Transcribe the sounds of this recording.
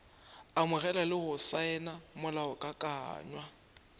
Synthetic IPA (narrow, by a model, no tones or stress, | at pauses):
amɪɣɛlalɪɣʊsaɛnamʊlaɔkʼakʼa̰ːɲwa